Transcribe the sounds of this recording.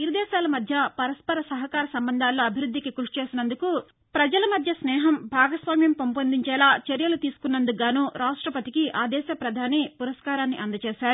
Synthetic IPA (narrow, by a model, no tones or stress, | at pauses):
iɾid̪ɛːʃaːlɐmɐd̪ʱjɐpɐɾɐspɐɾɐsɐɦɐkaːɾɐsɐmbɐnd̪ʱaːlːoːɐbʱiɾud̪ʱːikikuʂt͡ʃeːsinɐnd̪uku | pɾɐd͡ʒɐlɐmɐd̪ʱjɐsnɛːɦɐmbʱaːɡɐsʋaːmjɐmpompɐnd̪iɲt͡ʃɛːlaːt͡ʃɐɾjɐlut̪iːsu̥kunːɐnd̪uɡaːnuːɾaːʂʈɾɐpɐt̪ikiʔaːd̪ɛːʃɐpɾɐd̪ʱaːnipuɾɐskaːɾaːnːiʔɐnd̪ɐt͡ʃeːʃaːɾu